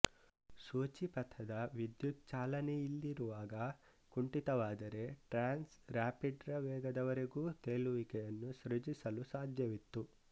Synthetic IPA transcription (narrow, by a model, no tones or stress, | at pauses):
suːt͡ʃipɐt̪ʰɐd̪ɐʋid̪juk̚t͡ʃaːlɐnejilːiɾuʋaːɡɐ | kuɳʈit̪ɐʋaːd̪ɐɾe̞ʈɾaːnsɾaːpiɖɾɐʋɛːɡɐd̪ɐʋɐɾeɡuːt̪eːluʋikɛjɐnːusɾed͡ʒisɐlusaːd̪ʱjɐʋit̪ːu